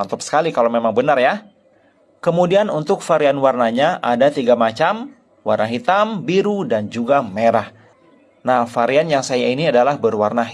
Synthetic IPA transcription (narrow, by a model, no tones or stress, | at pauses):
nt̪ʊp̚sə̥kalikalawmemaŋbənarja | kəmudianunt̪ʊkfaɾianwarnaɲaʔadat̪iɡamat͡ʃam | warnaɦit̪ambiɾudand͡ʒuɡameɾah | nahfaɾianjaŋsajainiadalahbərwarna